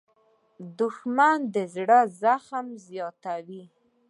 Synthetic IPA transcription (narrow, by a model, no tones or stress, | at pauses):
d̪ʊxmand̪əzɽəzaxmzjɑt̪awi